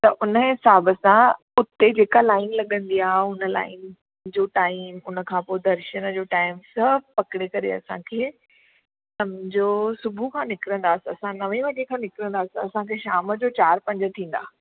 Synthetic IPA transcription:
t̪ɐʔʊnəɦɪsaːbəsã | ʊt̪ed͡ʑeːkalaːɪnlɐɠə̃nd̪iaːɦeɦʊnə̆la̰ːɪn | d͡ʑoːʈaːɪmʊnə̆kʰãːpoːed̪ɐɾʃənəd͡ʑoːʈaːɪmsɐbpɐkɪɽekɐɾḛɐ̰sãkʰeː | sɐmd͡ʑoːsʊbʱukʰãːnɪkɪɾə̃nd̪aːsɐsãnɐʋẽʋɐɗekʰãːnɪkɪɾə̃n̆d̪aːsiɐsãkʰeːʃaːməd͡ʑoːt͡ɕaːɾpɐ̃ɲd͡ʑə̆t̪ʰĩːn̆d̪a̰ː

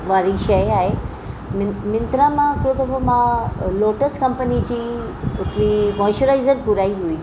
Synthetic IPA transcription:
ʋaːɾiʃɐjaːɦe | mɪmɪ̃nt̪ɾãmãkɾot̪obomãloːʈəskɐ̃mpənid͡ʑiː | ʊʈɾiʋɔːʃoɾaːɪzəɾpʊɾaːiɦuiː

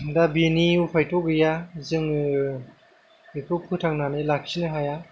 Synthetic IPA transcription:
dabiniupʰajtʰɔɡɯjazɯŋ | ekʰɯpʰɯtʰaŋnanɯlak̚sinɯɦaja

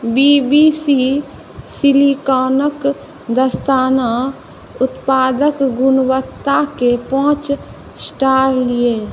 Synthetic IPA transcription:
biːbiːsi | sɪlikaːnək | d̪əst̪aːna | ʊt̪paːd̪əkɡʊnwət̪ːakepɔ̃ːt͡ʃ | sʈaːɾlɪeː

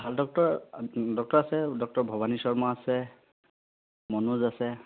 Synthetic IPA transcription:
bʱaldɔk̚tɔɹdɔk̚tɔɹasɛdɔk̚tɔɹbʱɔbanisɔɹmɔasɛ | mɔnuzasɛ

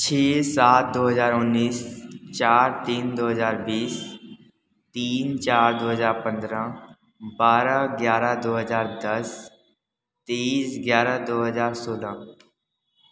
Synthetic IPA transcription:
t͡ʃʰeːsaːt̪̚ʰd̪oːɦəzaːɾʊnːiːst͡ʃaːɾt̪iːnd̪oːɦəzaːɾbiːs | t̪iːnt͡ʃaːɾd̪oːɦəzaːɾpə̃nd̪ɾã | baːɾaɡjaːɾad̪oːɦəzaːɾd̪əs | t̪eːsɡjaːɾad̪oːɦəzaːɾsoːlãː

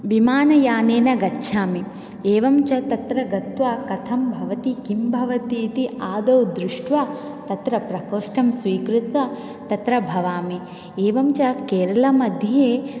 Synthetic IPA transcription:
ʋimaːnɐjaːneːnɐɡɐtːʃʰaːmi | eːʋɐmt͡ʃɐt̪ɐt̪ɾɐɡɐt̪ʋaːkɐt̪ʰɐmbʱɐʋɐt̪ikimbʱɐʋɐt̪iːt̪iaːd̪ɐwd̪ɾuʂʈʋɐ | t̪ɐt̪ɾɐpɾɐkoːʂʈɐmsʋiːkɾut̪ʋɐ | t̪ɐt̪ɾɐbʱɐʋaːmi | eːʋɐmt͡ʃɐkeːɾɐlɐmɐd̪ʱjeː

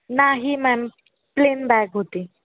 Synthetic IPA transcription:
naɦiːmɛn | plenbɛkɦot̪iː

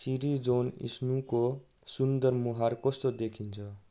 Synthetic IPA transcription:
siɾid͡zonḭsnuko | sund̪ʌɾmuɦaɾkʌst̪od̪ekʰint͡sʰʌ

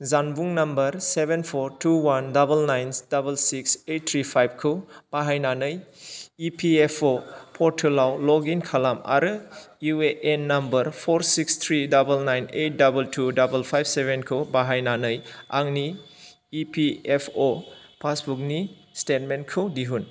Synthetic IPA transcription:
zanbuŋnɐmbɐɾsebenpʰoɾtuwandɐbɐlnajnd̥abɐlsiksejt̚t̪ʰɾipʰajb̚kʰɯwb̥aɦajnanɯjipʰiepʰopʰɔɾtʰɯlawlɔɡinkʰalama̰ɾɯ | ueʔenːɐmbɐɾpʰoɾsikst̪ʰɾidabɐlnajnejt̚dabɐltʰudabɐlpʰajb̚sebenkʰɯwbaɦajnanɯjaŋniː | piepʰopʰasbuk̚ni | stet̚menkʰɯwdiɦun

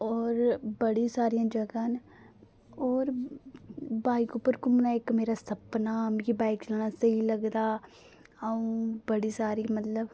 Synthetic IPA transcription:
ɔːɾbəɽĩsaːɾijãːd͡ʒəɡãːn | ɔːɾ | baːɪkʊpːəɾkʊmnaːɪkmeːɾaːsəpnaːmkibaːɪkt͡ʃəlaːnaːsəiləɡd̪aː | əũːbəɽiːsaːɾiːmət̪ləb

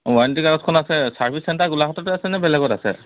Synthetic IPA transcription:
waɹntikaɹɔtkʰɔnasɛsaɹpʰisːɛntaɡulakɔtɔtɛasɛnɛbɛlɛɡɔtasɛ̰

